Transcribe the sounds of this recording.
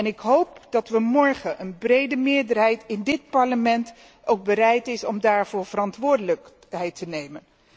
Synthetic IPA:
ɛnɪkɦowp̚d̥ɑtʋəmɔɹχəʔənbrejdəmɪːɹdəɹɦɛjtɪndɪt̚pɑɹləmɛnt | owɡ̚bəɾɛjtɪsɔmdaːɹv̥ʊːɹv̥ərɑntʋʊːɹdələk | ɦɛjtənejmən

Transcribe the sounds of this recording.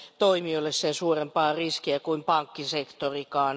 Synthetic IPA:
t̪oimiolːessensuːrempɑːriskiækuimpɑŋkːisekt̪orikɑːn

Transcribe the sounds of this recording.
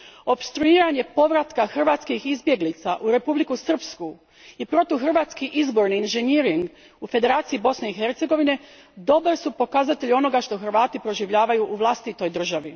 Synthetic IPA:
o̞pst̪ɾuiːɾaɲe̞po̞ʋɾat̪kaxr̩ʋaːt̪skixizbje̞ɡlit̪saʔuɾe̞publikusr̩psku | ipɾo̞t̪ixr̩ʋaːt̪skiʔizbo̞ɾniːnʒeniɾiŋɡ | ufe̞d̪e̞ɾaːt̪siibo̞sne̞ixe̞ɾt̪se̞ɡo̞ʋine̞ | d̪o̞baɾsupo̞kazat̪eʎio̞no̞ɡaʃt̪o̞xr̩ʋaːt̪ipɾo̞ʒiʋʎaːʋajuʔuʋlˠast̪it̪o̞jd̪r̩ʒaʋi

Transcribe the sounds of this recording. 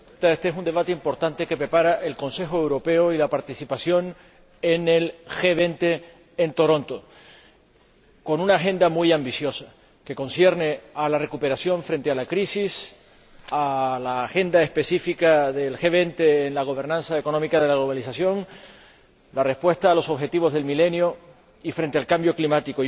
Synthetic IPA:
t̪aest̪eesund̪e̞βat̪eimpo̞ɾt̪ant̪e̞ke̞pɾe̞paɾaʔe̞lko̞nse̞xoe̞wɾo̞pe̞oilapaɾt̪isipasjo̞n | ene̞lxe̞β̞e̞nt̪e̞ː | nt̪oɾõ̞nt̪o̞ | ko̞nũnaːxe̞nd̪amujambisjo̞sa | ke̞ko̞nsje̞ɾne̞alare̞kupe̞ɾasjo̞ɱfɾent̪e̞alakɾisis | alaːxe̞nd̪aespe̞sifikaðe̞lxe̞βe̞nt̪e̞ːnlaɣ̞o̞β̞e̞ɾnãnsaeko̞nomikaðe̞laɣloβalisasjo̞ŋ | lare̞hpwe̞st̪aːlo̞so̞βxe̞t̪iβ̞o̞zðe̞lmile̞njo | ifɾe̞nt̪ealkambjo̞klimat̪iko

